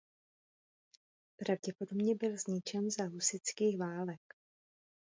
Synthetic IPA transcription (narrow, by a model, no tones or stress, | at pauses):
pɾavɟɛpo̞dobɲɛbɪlzɲɪt͡ʃɛnzaɦusɪt͡skiːxvaːlɛk